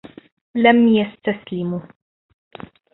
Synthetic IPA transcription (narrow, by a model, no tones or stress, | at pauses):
lamjast̪aslɪmu